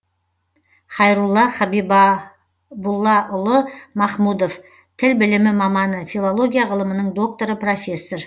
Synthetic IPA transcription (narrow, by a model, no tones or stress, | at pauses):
χɑjɾulˠːɑχɑbib | bʊlˠːɑʔʊlˠəmɑχmud̪o̞f | t̪ʰɪlbɪlɪmɪmɑmɑnəfʲilˠolˠo̞ɡʲijaʁəlˠəmənəɴd̪o̞k̚t̪o̞ɾəpro̞fʲe̞sːor